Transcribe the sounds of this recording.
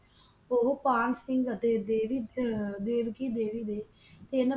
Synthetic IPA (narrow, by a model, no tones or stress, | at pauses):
oɦopaːɳsɪŋɡət̪eːd̪eːʋiːd̪eːʋkiːd̪eːʋiːd̪eː | t̪eːnə